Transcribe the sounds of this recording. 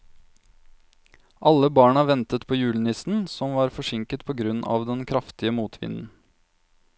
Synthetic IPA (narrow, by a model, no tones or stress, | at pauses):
ʔɑlːəbɑːɳɑʋɛnt̪ət̪pʰoːjʉːlnɪsn̩sɔmʋɑːɾfɔʂɪŋkət̪pʰoːɡɾʉnːɑ̰ːʋd̪ɛnkʰɾɑft̪ɪəmuːt̪ʰʋɪ̰nn̩